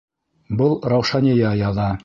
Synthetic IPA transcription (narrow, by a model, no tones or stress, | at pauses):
bɤlˠɾɑwʃɑnʲijɑjɑðɑ